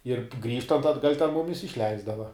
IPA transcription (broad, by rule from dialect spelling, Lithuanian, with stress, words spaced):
ɪr ˈɡrʲiːʃtɐnt ɐdˈɡɐlʲ tʲɛn ˈmʊmʲɪs ɪʃʲˈlʲɛɪzdɐʋɐ